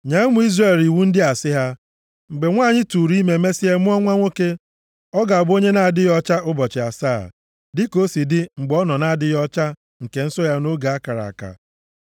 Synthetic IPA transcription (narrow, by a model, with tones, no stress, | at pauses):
ɲa˦mu˦i˦zɾe˨li˨wu˦n̩˦dɪ˦a˨sɪ˦ɦa˦ | ŋ͡m̩˨ɡ͡be˨ŋʷaː˦˨ɲɪ˦tu˨ɾi˦me˨me˦si˦e˦mʊ˦ɔ˦ŋʷa˦ŋʷo˦ke˦ | ɔ˦ɡa˨a˨ɡ͡bo˦ɲe˦na˨a˨dɪ˦jɔ˦t͡ʃa˦ʔʊ˦bɔ˨t͡ʃɪ˨a˨saː˦˨ | dɪ˦ko˦si˨dɪ˦ŋ͡m̩˨ɡ͡bɔ˦nɔ˨na˨a˨dɪ˦jɔ˦t͡ʃa˦ | ŋ̩˨ke˨n̩˦so˦ja˦no˦ɡa˨a˦ka˨ɾa̰˨ka̰˨